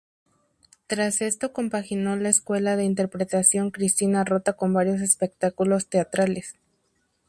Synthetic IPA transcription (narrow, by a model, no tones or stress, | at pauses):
t̪ɾase̞st̪o̞ko̞mpaxino̞laeskwe̞laðe̞int̪̬e̞ɾpɾe̞t̪asjo̞ŋkɾist̪inaro̞t̪ako̞mbaɾjo̞s̬e̞spe̞k̚t̪akulo̞st̪e̞at̪ɾale̞s